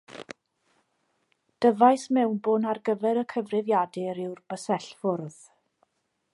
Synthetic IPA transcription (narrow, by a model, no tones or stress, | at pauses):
d̥əvajsmɛwnbonarɡəvɛɾəkʰəvrɪvjadɪɾɪwrb̥əsɛɬfʊrð̥